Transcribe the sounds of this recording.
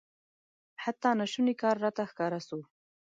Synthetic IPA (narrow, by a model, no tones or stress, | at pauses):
hat̪ːɑnaʃunikɑɾːɑt̪axkɑɾasu